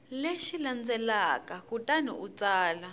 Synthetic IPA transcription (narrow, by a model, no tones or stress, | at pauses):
leʃiland͡zɛlakakutʼanḭut͡saːla